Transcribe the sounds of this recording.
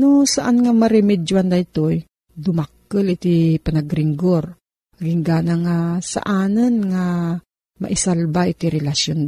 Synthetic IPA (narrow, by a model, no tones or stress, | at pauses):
nʊsaʔanŋamaɾɛmɛdwand̪ajt̪oj | d̪ʊmakːəlɪt̪ipanaɡɾɪŋɡoɾ | ɡiŋɡaːnaŋasa̰ʔaːnɨnŋa | ma̰ʔɪsalbaʔɪt̪iɾɛlasjon